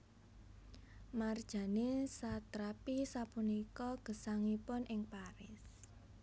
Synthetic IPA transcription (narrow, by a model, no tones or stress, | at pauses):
mard̥ʒ̥ä̤nesat̪ɾapisapunikɔɡ̥ə̤saŋipʊnʔɪŋpaɾɪs